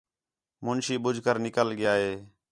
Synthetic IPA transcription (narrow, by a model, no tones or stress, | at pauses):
mʊnʃiːɓʊd͡ʒʱkəɾnɪkəlɠɪjaːɦeː